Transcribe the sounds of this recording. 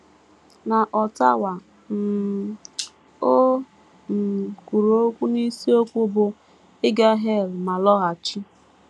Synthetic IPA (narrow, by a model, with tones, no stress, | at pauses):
na˨ʔɔ˨ta˦wa˨ | m̩˨ | o˦ | m̩˨ku˨ɾo˦kʷu˦ni˦si˦o˦kʷbo˦ | ɪ˦ɡa˦ɦe˦˨lma˨lɔ˦ɣa˨t͡ʃi˦